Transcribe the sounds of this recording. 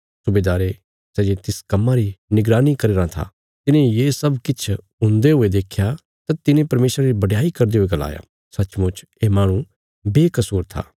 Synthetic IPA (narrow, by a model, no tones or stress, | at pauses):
sʊbeːd̪aːɾe | sɛːd͡ʒet̪ɪskɐmːaɾinɪɡɾaːnikɐɾeːɾãt̪ʰa̰ | t̪ɪnẽjeːsɐbkɪt͡ʃʰ | ʊ̃nd̪eɦoed̪eːkʰja | t̪at̪ɪnẽpɐɾmeːsɾaɾibɐɖjaːikɐɾd̪eɦoeɡɐla̰ːja̰ | sɐːt͡ʃmʊ̃t͡ʃ | eːmaːɽ̃ũ | beːkɐsuːɾt̪ʰa̰ː